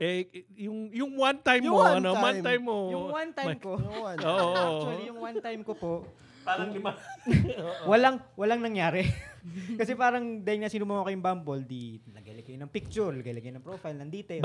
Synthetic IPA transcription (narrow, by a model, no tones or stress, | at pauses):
ʔɛjʊŋjʊŋwant̪ajmjʊoɐnowatajmːojʊŋwant̪ajmkoʊanoːʔot͡ʃʊɐlijʊŋwant̪ajmkopoʔ | paːɾɐŋlɪma | wɐlaŋwɐlaŋnɐŋjaːɾɛ | kɐsɛpaːɾɐŋd̪aːhɪŋnaːsɪnʊmamakɐjʊŋbambold̪inɐɡɐlɐɡɐjnɐŋpik̚t͡ʃʊɾnɐɡɐlɐɡɐjnɐŋpɾoːfɐjlnɐŋd̪iːt̪ɛ